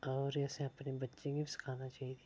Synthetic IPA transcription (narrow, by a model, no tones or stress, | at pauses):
ɔːɾɛːsẽɐpnebɐtːʃẽɡibisɪ̥kʰaːnat͡ʃaːɦit̪